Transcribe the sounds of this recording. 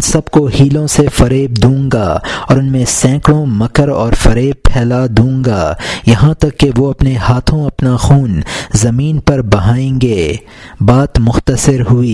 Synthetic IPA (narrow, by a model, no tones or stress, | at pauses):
ʊnsɐbkohiːlõsefɐɾeːb̚d̪ũːŋɡaːɔːɾʊnmẽsɛ̃ːkɽõmɐkəɾɔːɾfɐɾeːb̚pʰɛːlad̪ũːŋɡaːjɐɦãt̪ɐkːeʋoɐpnehaːt̪ʰõɐpnaxuːnzɐmiːnpɐɾbɐɦaːẽːŋɡeː | baːt̪mʊxt̪əsɪɾɦʊiː